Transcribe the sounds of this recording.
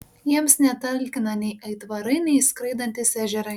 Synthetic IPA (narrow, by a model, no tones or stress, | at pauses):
jiɛmsnʲɛt̪ɐllʲkʲɪnɐnʲɛɪʔɐɪt̪ʋɐɾɐɪnʲɛɪskɾɐɪd̪ɐnʲt̪ʲɪsʲæːʒʲɛɾɐ